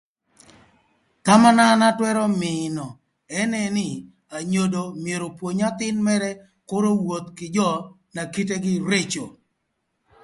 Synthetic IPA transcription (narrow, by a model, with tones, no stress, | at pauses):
ta˦ma˦na˦na˦twɛ˦ɾɔ˦mɪnɔ˨ | ɛ˦nɛ˦nɪ˦ | a˨ɲo˨do˨mje˨ɾo˨pwo˨ɲa˦t̪ɪ˦nmɛ˦ɾɛ˦ | ko˦ɾo˦wo˨t̪kɪ˨d͡ʒɔ˦ | na˨ki˦t̬e˦ɡɪ˦ɾe˦t͡ʃo˨